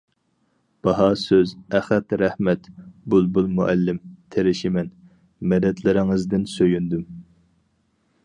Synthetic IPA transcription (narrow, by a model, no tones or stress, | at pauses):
b̥ɑɦɑsøzɛχɛt̪ɾɛhmɛt̪bulˠbulˠmuʔɛlːɪmt̪ʰeɾɪʃɪmɛn | mɛd̪ɛt̪ʰlɪɾɪŋɨzd̪ɪnsøjynd̪ym